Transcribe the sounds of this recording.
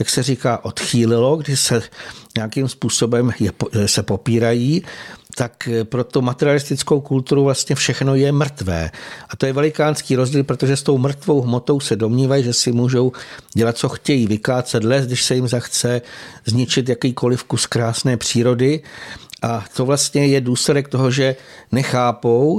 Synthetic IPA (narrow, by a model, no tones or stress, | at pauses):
jaksɛriːkaːʔo̞t̪xiːlɪlo̞ɡdɪʃsɛɲɛjakimspuːso̞bɛmjɛsɛpo̞piːɾajiːt̪akpɾo̞t̪owmat̪ɛɾɪalɪst̪ɪt͡sko̞wkult̪uɾuvlast̪ɲɛfʃɛxno̞jɛmr̩t̪vɛ̰ːʔat̪o̞jɛvɛlɪkaːnskiːɾo̞zɟiːlpɾo̞t̪oʒɛst̪o̞wmr̩t̪vo̞wɦmo̞t̪o̞wsɛdo̞mɲiːvajiʒɛsɪmuːʒo̞wɟɛlat̪̚t͡so̞xcɛjiːvɪklaːt͡sɛt̪lɛsɡdɪʃsɛjɪmzaxt͡sɛzɲɪt͡ʃɪt̪jakiːko̞lɪfkuskɾaːsnɛːpr̝̥iːɾo̞dɪʔat̪o̞vlast̪ɲɛjɛduːslɛdɛk̚t̪o̞ɦo̞ʒɛnɛxaːpo̞w